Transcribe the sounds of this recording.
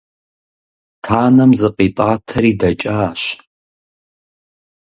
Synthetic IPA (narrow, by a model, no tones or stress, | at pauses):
tʰaːnɐmzɨqʼitʼaːtʰɐɾiːdɐt͡ʃʼaːɕ